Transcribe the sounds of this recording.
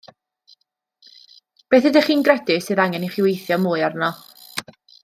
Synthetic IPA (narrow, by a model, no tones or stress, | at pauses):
b̥eːθɨdɛχiːnɡrɛdɪsɨːðaŋɛniχiwejθjɔmuːɨarnɔ